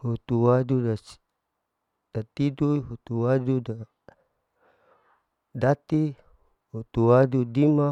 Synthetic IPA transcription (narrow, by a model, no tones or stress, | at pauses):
hut̪uwadudḁ | d̥at̪iduɦut̪uwaduda | dat̪i | hut̪uwadudima